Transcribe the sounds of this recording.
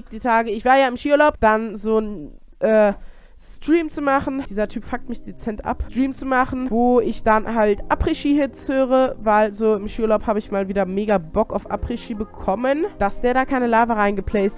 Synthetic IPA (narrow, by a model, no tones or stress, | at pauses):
d̥iːtʰaːɡəɪçv̥aːɐjaːɪmʃiːʊlaʊp̚d̥anzoːn | ʔɛː | stʁ̥iːmt͡sumaχn̩d̥iːzɐtʰyːpfak̚tmɪçd̥et͡sɛntʔa̰ptʁ̥iːmt͡sumaχn̩voːɪçd̥anhaltʔapʁ̥iʃiːɦɪt͡shøːʁəvaɪlzoːɪmʃiːʊlaʊphaːbəɪçmaːlviːdɐmeːɡabɔkaʊfʔa̰pʁ̥iʃiːbəkʰɔmənd̥asd̥eːɐɾaːkʰaɪnəlaːvəʁaɪnɡəpʰl̥ɛːst